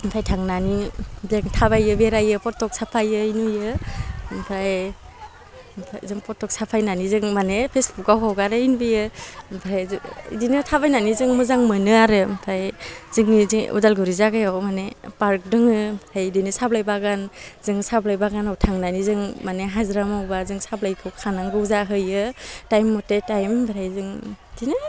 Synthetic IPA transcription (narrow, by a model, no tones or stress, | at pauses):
mpʰajtʰaŋnanibeŋtʰabajɯbeɾajɯpɔtɔk̚sapʰajɯinujɯmpʰaj | mpʰajzɯŋpɔtʰɔk̚sapʰajnanizɯŋmanepʰesbuk̚ɡawɦawɡaɾɯinbɯjɯmpʰɾajḭdinɯtʰabajnanizɯŋmɯzaŋmɯnɯaɾɯmpʰajzɯŋizṵdalɡɯɾizaɡajawmanepaɾk̚dɯŋɯmtʰajdinɯsablajbaɡanzɯŋsablajbaɡanawtʰaŋnanizɯŋmaneɦazɾamawbazɯŋsablajkʰɯkʰanaŋɡɯzaɦɯjɯtajmːɔtetajmbʱɾajzɯŋ | dinɯ